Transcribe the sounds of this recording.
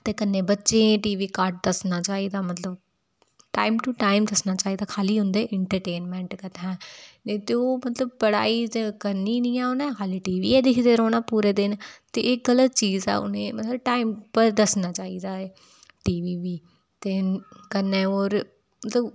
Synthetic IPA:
t̪eːkənːẽːbətːʃẽːʈiːʋiːkaːɾʈ̚d̪əsnaːt͡ʃaːiːd̪aːmət̪ləb | ʈaːɪmʈuʈaːɪmd̪əsnaːt͡ʃaːiːd̪aːkʰaːliːɦʊ̃nd̪eːʔɪɳʈəɾʈeːnmɛ̃ːɳʈkət̪ːɦɛ̃ːet̪eoːmət̪ləb̚pəɽa̰ːid͡ʒkəɾniːnĩːɛ̃ːonɛ̃ːkʰaːliːʈiːʋḭːɛːd̪ɪkʰd̪eːɾoːnãːpuːɾeːd̪ɪnt̪eːɪk̚ɡələt̪̚t͡ʃiːzɛ̰ːʊ̰nẽːmət̪ləb̚ʈaːɪmpəɾd̪əsnaːt͡ʃaːiːd̪aːeː | ʈiːʋiːʋiː | t̪eːkəɾnɛ̃ːoːɾ | mət̪ləb

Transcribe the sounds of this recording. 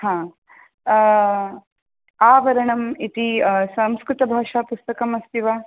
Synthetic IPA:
ɦãː | aːʋɐɾɐɳɐmit̪isɐmskɾut̪ɐbʱaːʂaːpust̪ɐkɐmɐst̪iʋaː

